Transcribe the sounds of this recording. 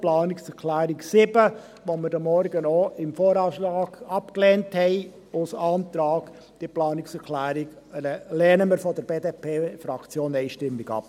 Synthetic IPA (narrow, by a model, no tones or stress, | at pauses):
plɑːnɪksɛɾkʰlæːɾɪksɪbə | ʋoməɾdəmɔɾɡənoɪmfoːɾɑːʃlɑːɡ̥ɑpkleːnthɛɪ | ʊsɑːnt̪ɾɑːɡ̥ | d̥iplɑːnɪksɛɾkʰlæːɾɪɡ | ɛlɛːnəməɾfɔd̥əɾb̥eːdeːpʰeːfɾɑkt͡sjoːnɛɪʃtɪmːɪɡɑ̰p